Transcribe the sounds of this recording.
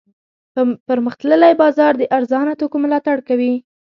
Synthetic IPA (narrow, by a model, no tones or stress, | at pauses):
pəɾməxt̪ləlajbɑzɑɾd̪əʔaɾzɑnat̪okomʊlɑt̪aɽkawi